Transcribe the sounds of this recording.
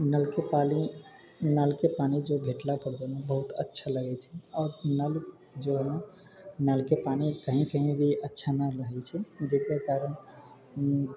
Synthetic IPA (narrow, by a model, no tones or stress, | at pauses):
nəlkepali | nalkepanid͡ʒobʱeʈlapəɾd͡ʒ̪ɔnẽbəɦut̪ətːʃʰaləɡɛt͡ʃʰɛɔːɾnəl | d͡ʒoɦlə̃ | nalkepanikəɦĩkəɦĩbʱiətːʃʰanalaɛt͡ʃʰɛd͡ʒekekaɾən